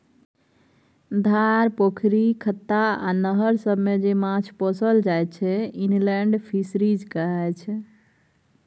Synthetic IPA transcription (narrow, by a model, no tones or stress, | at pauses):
d̪ʱaɾpokʰɾikʰət̪ːaa̰nəɦəɾsəbʱmed͡ʒemãt͡ʃʰpɔsəld͡ʒajt͡ʃʰɛinlɛɳɖpʰisɾid͡ʒkəɦɛt͡ʃʰ